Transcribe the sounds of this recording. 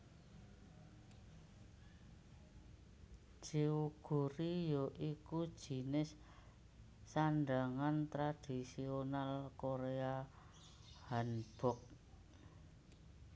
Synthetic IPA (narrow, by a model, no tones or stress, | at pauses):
d͡ʒ̥iuɡ̥ṳɾijɔʔiku̥ʒ̥i̤nɪs | aɳɖaŋant̪ɾad̥isionalkoɾea | hanb̥ɔk̚